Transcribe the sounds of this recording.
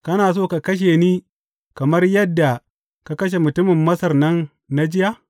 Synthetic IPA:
kɐ˦naː˨s̬oː˦ka˨kɐ˦ʃ̬eː˨niː˦ | kɐ˨mɐ˦rjɐ˦dːa˨ | ka˦kɐ˦ʃ̬e˨mʊ˨tʊ˦mɪ˨mːɐ˦sɐ˨rnɐ˦nː | a˦d͡ʒɪ˦ja˦ʔ

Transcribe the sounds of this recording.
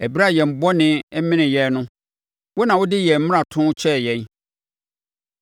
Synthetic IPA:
æ˨bi˦ɾa˦˨jɛ˨m̩˨bɔ˦nɪ̃˨ɛ˦mɪ̃˦nɪ̃˨jɛ˨˦nʊ̃˦ | wo˦nã˨wʊ˦dɪ˦jɛ˨m̩˦mɪ̃˦ã˨tʰʊ̃˦t͡ɕʰɛ˦˨jɛ̃˦n

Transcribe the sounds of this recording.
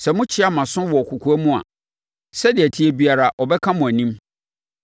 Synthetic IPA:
sɛ˨mʊ̃˦t͡ɕʰɪ˦a˨mã˨sʊ̃˦wɔ˨kʰu˨kʰu˨æ˦mʊ̃˦a̰˨ | sɛ˦dɪ˨æ˨tʰi˨˦e˨bi˨a˨ɾa˨ʔɔ˨bɛ˦kʰã˦mʊ̃˨æ˨nĩ˦m

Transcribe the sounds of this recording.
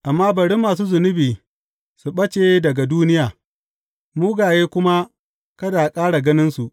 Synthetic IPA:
ʔa˨mːaː˦bɐ˨ɽɪ˦mːaː˨s̬uː˦zʊ˨nʊ˦biː˨ | su˨ɓɐ˦t͡ʃeː˨dɐ˨ɡa˨duː˦nɪ˦jaː˨ | muː˦ɡaː˨jeː˦kʷʊ˦ma˦ | kɐ˦daː˨kʼaː˦ɽa˨ɡɐ˦nɪ˦nsu˨ʔ

